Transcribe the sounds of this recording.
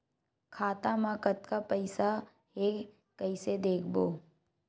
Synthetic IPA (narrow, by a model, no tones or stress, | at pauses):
kʰaːt̪amãːkət̪kapəɪsa | ɦe | kəɪsed̪eːkʰboː